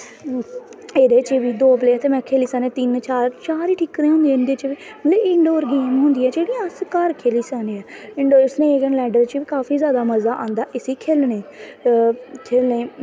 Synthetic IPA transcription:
eːd̪eːt͡ʃʋiːd̪oːpleːt̪eːmɛ̃ːkʰeːliːsaːnẽːt̪ɪnt͡ʃaːɾt͡ʃaːɾiːʈʰiːkːəɾẽːɦʊ̃nd̪ẽːnd̪eːt͡ʃːʋiː | mət̪ləbɪɳɖoːɾɡeːmɦʊ̃nd̪iːɛːd͡ʒeːɽijãːəskəɾkʰeːliːsaːneːɛːɪɳɖoːɪsnẽːɡənlɛːɖəɾt͡ʃʋiːkaːfiːzjaːd̪aːməzaːʔãːnd̪aːʔɪsiːkʰeːlneː | kʰeːlneː

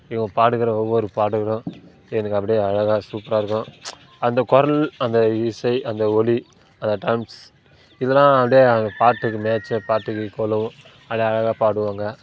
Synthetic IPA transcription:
ɪɡɐ̃paːɽɯɣɪɾɐ̃ɔʋːɔɾɯpaːɽɯkɐɾʊ̃ | ɛnɐkːɐp̬ːɐɽɪjeɐɻɐɣaːsuːpɾaːɪɾɯkːʊ̃ | ɐnd̪ɐkɔɾɐlɐnd̪ɐisɐɪʔɐnd̪ɐɔli | ɐnd̪ɐʈɐmps | ɪðɐlãːɐpɐɽeɐnd̪ɐpaːʈːɯkːɯmeːt͡ʃːɐpaːʈːɯkːɯkɔlɐʋʊ̃ | ɐpːɽeɐɻɐɣaːpaːɽɯʋaːŋɡɐ

